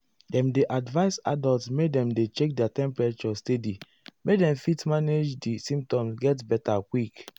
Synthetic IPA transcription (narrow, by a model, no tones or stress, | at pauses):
dɛ̃mdeʔadvaɪsa̰daltsmedɛ̃mdet͡ʃek̚dɛatɛ̃mpɹat͡ʃɔstedi | medɛ̃mfitmaned͡ʒdisĩmp̚tɔ̃msɡɛtbɛtakwik